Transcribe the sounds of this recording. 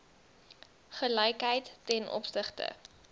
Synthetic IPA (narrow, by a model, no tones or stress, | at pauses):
χəlɛjkɦəjtːɛnʔɔ̰psəχtə̰